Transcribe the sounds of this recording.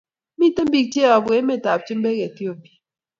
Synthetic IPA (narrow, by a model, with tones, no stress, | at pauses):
mi˦tɨ˦m̩˦bi˦k̚t͡ʃe˦ɔ˨bwe˨˦me˦˨ta˨p̚t͡ʃi˦m˦be˦ke˨tjo˦˨bi˨